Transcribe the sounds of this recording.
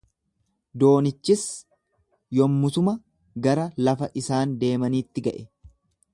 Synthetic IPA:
d̪o̞ːnɪt͡ʃːɪs | jɔmːʊt̪ʊmɐ | ɡɐɾɐlɐfɐʔɪsaːnd̪e̞ːmɐniːt̪ːɪɡɐʔɛ

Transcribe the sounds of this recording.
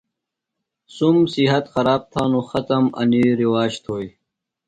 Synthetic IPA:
sumsiɦɐt̪xɐɾaːb̚t̪ʰaːnuxɐt̪ɐmɐ̰niɾiwaːɕt̪ʰoːj

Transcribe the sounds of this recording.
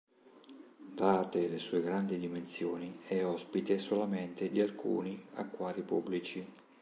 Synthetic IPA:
d̪aːt̪elesuːeɡɾand̪id̪imensjoːniɛɔspit̪esolament̪ed̪ialkṵːnia̰kːwaːɾipubːlit͡ʃi

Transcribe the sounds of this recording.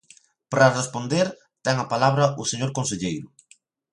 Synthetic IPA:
pɾarespond̪eɾ | t̪ɛŋɐpalaβɾɐʊseɲoɾkonseʎejɾʊ

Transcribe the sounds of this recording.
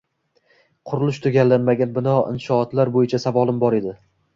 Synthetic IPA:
qʰʊɾʊlˠɪʃt̪ʰʊɡʲalːanmaɡʲanbɪnɒɪ̰nʃɒːt̪laɾbojɪt͡ʃʰasavɒlˠɪmbɒɾe̞d̪ɪ

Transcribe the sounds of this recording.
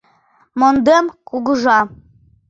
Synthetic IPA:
mond̪emkuɣəʒɑ

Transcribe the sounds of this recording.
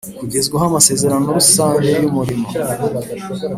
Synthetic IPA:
kuɡezɡweɦamase̞ːze̞ɾano̞ɾusaːɲhejumuɾimo̰

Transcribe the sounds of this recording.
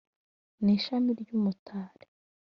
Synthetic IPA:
niːʃamiɾɟuːmutʰaːɾe

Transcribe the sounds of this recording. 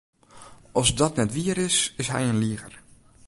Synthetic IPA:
ɔsdɔtnɛtʋiəɾɪsɪsɦɛ̰jənliəɣə̰r

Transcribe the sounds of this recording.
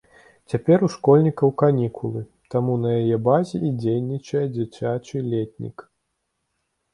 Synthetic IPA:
t͡sʲapʲɛɾuʂkɔlʲnʲikɐwkanʲikʰulˠɨ | t̪amunɐjajɛbazʲɛʔid͡zʲejnʲit͡ʂɐjɛd͡zʲat͡sʲat͡ʂɨlʲet̪ʲnʲḭk

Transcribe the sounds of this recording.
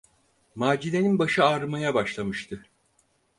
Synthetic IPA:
maːd͡ʒine̞ninbaʃɯaɾɯmajabaʃlˠamɯʃt̪ʰɯ

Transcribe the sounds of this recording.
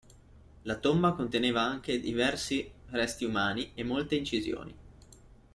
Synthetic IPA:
lat̪ombakont̪eneːvaaŋk̟ed̪ivɛrsirɛst̪iumaːniemːolt̪eint͡ʃizjo̰ːnḭ

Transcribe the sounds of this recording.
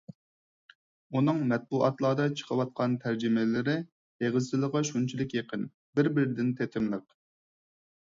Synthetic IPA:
unɨŋmɛt̪̚buʔɑt̪lˠɑːd̪ɑt͡ʃʰə̥qʰəwɑt̪̚qʰɑnt̪ʰæɾd͡ʒɪmɪlɪɾɪ | eʁɨzt͡ʃɪlˠəʁɑʃunt͡ʃʰilɪkʲjeqʰən | bɪɾbɪɾɪd̪ɪnt̪ʰet̪ʰɪmlˠəq

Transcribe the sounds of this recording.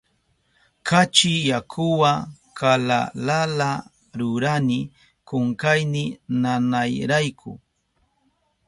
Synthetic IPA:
kat͡ʃɪjakʰʊwakʰala̰lala | ɾʊɾanɪ | kʊŋkajnɪnanajɾajkʰʊ̰

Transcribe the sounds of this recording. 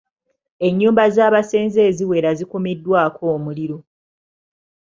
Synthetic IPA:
e̞ɲːuːmbazaːβase̞ːnze̞ːziwe̞ːɾazikomidːwaːko̞ːmuliɾo̞

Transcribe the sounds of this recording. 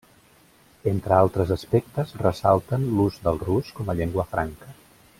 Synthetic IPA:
ent̪ɾəalˠt̪ɾəzəspɛk̚t̪əzrəsalˠt̪ənluzd̪əlˠruskɔməʎeŋɡwəfɾʔaŋkə

